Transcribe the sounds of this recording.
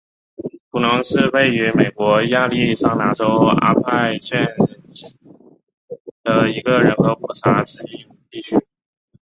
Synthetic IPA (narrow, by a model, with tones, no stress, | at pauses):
pu˨˩nɤ˧˥ŋʂɻ̩˥˧we˥˩ɪy˧˥me˨˩ɪkwɔ˧˥ja˥˧li˥˧˩ʂɑ˥˩ŋna˧˥ʈ͡ʂo˥ʊa̰˥pʰa˥˧ɪɕɛ˥˩n | d̪̥ə˩i˧˥ɡə˧ɻə˧˥nko˧˥ʊkwɔ˨˩ʈ͡ʂʰa˧˥ʈ͡ʂʰɻ̩˧˥i˥˩ | t̪i˥˩t͡ɕʰy˥